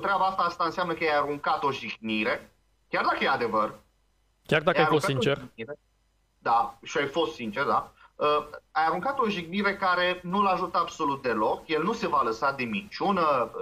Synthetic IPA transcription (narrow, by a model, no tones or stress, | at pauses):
t̪ɾabaast̪aast̪aɨnseamnəkəjajaɾuŋkat̪o̞ʒiɡniɾe̞ | kʲjard̪akəjead̪e̞vər | kʲard̪akjaəajaɾost̪kasint͡ʃeriɾe | d̪aʃiajfo̞st̪sint͡ʃerd̪aəajaɾuŋkat̪o̞ʒiɡniɾe̞kaɾe̞nulaʒut̪əabso̞lut̪̚d̪e̞lo̞kje̞lnuse̞valəsad̪emit͡ʃunə